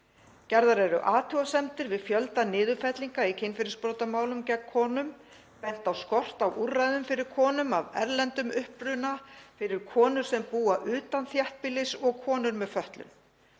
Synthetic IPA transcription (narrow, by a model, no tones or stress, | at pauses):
cɛɾðaɾɛɾʏʔaːt̪ʰuwasɛmt̪ɪɾvɪðfjœlt̪anɪːðʏfɛt̪liŋkaicʰɪnfɪɾɪspɾoːwt̪amaːwlʏmcɛkkʰɔːnʏm | pɛn̥t̪awskɔr̥t̪awʔurːajðʏmfɪɾɪɾ̥kʰɔːnʏmavɛ̰ɾlɛnt̪ʏmʏhpɾʏnafɪɾɪɾ̥kʰɔːnʏɾ̥sɛmpuːaʔʏːt̪anθjɛht̪̚pɪlɪsɔɣkʰɔːnʏɾmɛðfœht̪lʏ̰n